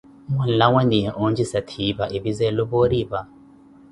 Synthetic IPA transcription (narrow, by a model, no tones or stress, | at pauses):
mwɛn̩lawɛniɛʔond͡ʒisatʰiːbaʔɪbizɛlɔbɔɾiba